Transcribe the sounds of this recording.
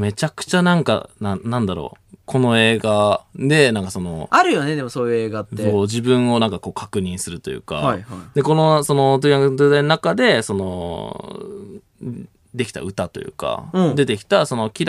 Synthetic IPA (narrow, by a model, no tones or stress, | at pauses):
me̞t͡ɕakɯ̟̥t͡ɕanãŋka̰nãnãnd̪aɾo̰ː | kʰo̞no̞e̞ːɡad̪e̞nãŋkaso̞no̞̰aɾɯ̟jo̞ned̪e̞mosoːjɯ̟e̞ːɡat̪ːeoːd͡ʑibɯ̟̃ɰ̃o̞nãŋkako̞ːkʰakɯ̟ɲ̟ĩɰ̃sɨɾɯ̟t̪o̞jɯ̟̰ːka̰id̪e̞ko̞no̞so̞no̞t̪oiak̪d̪eːd̪ainonakad̪e̞so̞no̰ | d̪e̞kʲi̥t̪a̰ɯ̟t̪at̪o̞jɯ̟̰ːkã̰d̪e̞t̪e̞kʲi̥t̪aso̞no̞kʲiɾ